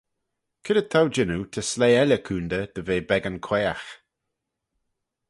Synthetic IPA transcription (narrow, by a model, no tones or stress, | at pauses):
kʰɪdət̪ʰawd͡ʒɪnut̪ʰəsleːɛlʲəkʰuːnd̪əd̪̥əveːbɛɡənkʰweːax